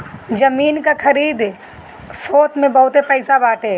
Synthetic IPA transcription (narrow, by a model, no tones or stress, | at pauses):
d͡ʒɐmiːnkakʰɐɾiːd̪ | foːt̪mẽbɐɦʊt̪epɛɪsabaːʈeː